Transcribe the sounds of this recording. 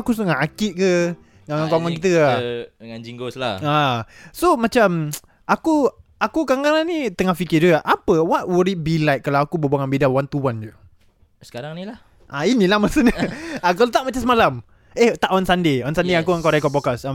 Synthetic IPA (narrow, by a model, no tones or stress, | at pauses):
akus̬uŋaʔakɪt̪̚kə | ŋaŋaŋkɔŋɔnk̬it̪̬əadəŋand͡ʒiŋɡoslaasomat͡ʃam | ʔakuakukaŋalanit̪əŋahfikɪd͡ʒuɡaʔapəwaʔuɾiʔ̚bilajt̪̚kalawakubəbaŋanbidawant̪uwand͡ʒu | sə̥kaɾaŋnilah | ʔainĩlahmasənəakalot̪aʔmat͡ʃasəmalam | eht̪aʔɔnsandeɔnsandeakuəŋkaɾajkɔpɔkasa